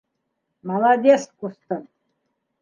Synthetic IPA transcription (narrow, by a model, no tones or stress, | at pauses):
mɑlˠad̪ʲeskust̪ən